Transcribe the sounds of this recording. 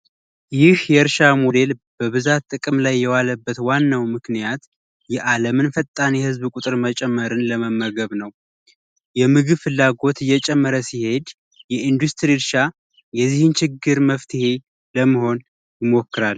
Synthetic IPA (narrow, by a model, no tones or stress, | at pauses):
jɪhjɛɨɾʃamo̞d̪e̞lb̥əβɨzat̪t̪ʼːɨkʼɨmlajːɛwaləbːət̪wanːawmɨknijat̪ | jɛʔaləmɨnfət̪ʼːanihɨzbkʼut̪ʼɨɾmət͡ʃʼɛmːəɾɨnləməmːəɡəβnəw | jɛmɨɡɨβfɨlːaɡo̞t̪ɨjːɛt͡ʃʼɛmːəɾəsihe̞d̪ | jɛind̪ust̪ʰʼɾiɾʃa | jɛzːihɨnt͡ʃʰɪɡːɨɾməft̪ʰɨhe̞ | ləmːəho̞n | jɪmo̞kːɨɾal